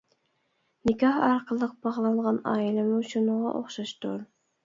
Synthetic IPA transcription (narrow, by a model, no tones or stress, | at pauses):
nɪkʲʰɑhɑɾqʰəlˠːəq̚b̥ɑʁlˠɑʁɑnɑ̰ːilˠɨmuʃunəʁɑ̰ʔoχʃɑʃt̪uɾ